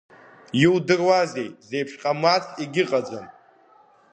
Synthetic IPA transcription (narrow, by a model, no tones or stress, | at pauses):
jiwdɨrwaze̞jtze̞jpʰʃᶣqʼamat͡sʰiɡʲɪqʼad͡zʷan